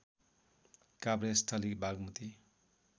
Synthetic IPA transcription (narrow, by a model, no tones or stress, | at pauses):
kabɾestʰʌlikbʱaɡmut̪i